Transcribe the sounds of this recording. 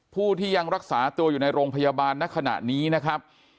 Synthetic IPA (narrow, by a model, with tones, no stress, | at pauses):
pʰuː˥˩t̪ʰiː˥˩ja˧ŋɾa˦˥k̚saː˩˦t̪u˧ɐjuː˨˩na˧jɾoː˧ŋpʰa˧jaː˧baː˧nːa˦˥kʰa˧na̰˨˩ʔniː˦˥na˦˥kʰɾa˦˥p̚